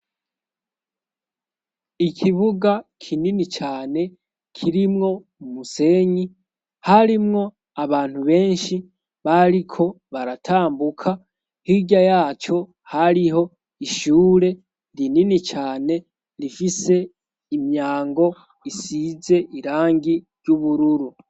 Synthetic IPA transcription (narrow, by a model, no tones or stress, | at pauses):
ikʰiβuɡakʰininit͡ʃaːne̞ | kʰiɾimŋo̞ | umuse̞ɲi | haɾimŋo̞ | aβaːn̥huβe̞ːnʃi | βaɾikʰo̞ | βaɾatʰaːmbukʰa | hiɟajaːt͡ʃo̞ | haɾiɦo̞ | iʃuːɾe̞ | ndininit͡ʃaːne̞ | ɾifise̞ | imɲaːŋɡo̞ | isize̞ʔiɾaːŋɡiɾɟuβuɾuɾu